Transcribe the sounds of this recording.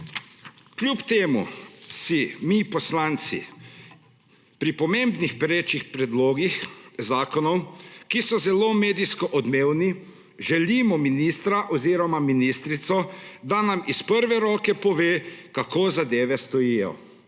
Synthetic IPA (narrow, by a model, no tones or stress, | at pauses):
klʲjupt̪eːmṵsimipɔslaːnt̪sḭ | pɾipɔmeːmbnixpɾeːt͡ʃixpɾɛd̪loːɡixzaːkɔnɔwkisɔzɛloːmeːd̪iskɔʔɔd̪meːwni | ʒɛliːmɔminiːst̪ɾaʔɔziːɾɔmaminist̪ɾit̪sɔd̪anamispəɾʋɛɾɔːkɛpɔʋeːkakoːzad̪eːʋɛst̪ɔjiːjɔ̰